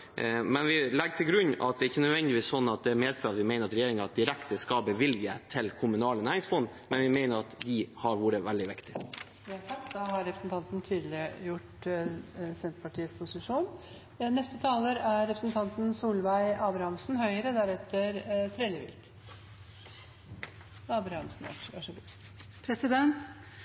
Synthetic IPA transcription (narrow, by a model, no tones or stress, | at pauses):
mɛnʋɪlɛɡt̪ʰɪlɡɾʉnːɑ̰t̪̚d̪ɛɾɪçːənœd̪ʋɛnd̪ɪʋiːssɔnːɑt̪̚d̪ɛæɾmeːd̪føɑt̪ʋɪmæɪnəɾɑt̪ɾɛjeːɾɪŋəɑt̪̚d̪ɪɾɛkt̪əskɑbəʋɪljət̪ʰɪlkʰʊmʉnɑːlənæːɾɪŋsfɔnː | mɛnʋɪmæɪnəɾɑt̪d̪ɪhɑɾʋuːɾəʋɛld̪ɪʋɪkt̪ɪ | ɑt̪ʰɑkːd̪ɑhɑɾɾɛpɾəsn̩t̪ɑnt̪n̩t̪ʰyːd̪lɪjʊʈ | sɛnt̪pʰɑʈʰiːəspʰʊsɪʂuːn | nɛst̪ət̪ʰɑːləɾæɾɾɛpʰɾəsnt̪ʰɑnt̪n̩suːlʋæɪɑːbɾɑhɑmsn̩hœʏəɾəd̪æɾɛt̪ːəɾt̪ʰɾeːlɪʋɪ̰lk | ɑːbɾɑhɑmsn̩ʋɑ̰ʋɑʂɡ̪ | pʰɾɛsɪd̪ɛnt̪